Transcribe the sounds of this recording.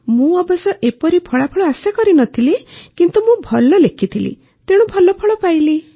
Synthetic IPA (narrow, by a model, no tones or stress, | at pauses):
mũɔbɔsɔʔepɔɾipʰɔɭapʰɔɭɔasjakɔɾinɔt̪ʰilikint̪umũbʱɔlɔlekʰit̪ʰilḭ | t̪eɽ̃ũbʱɔlɔpʰɔɭɔpajli